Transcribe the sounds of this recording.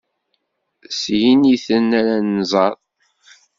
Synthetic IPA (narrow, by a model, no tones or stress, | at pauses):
sjiniθənːæɾanːzˤɑɾˤ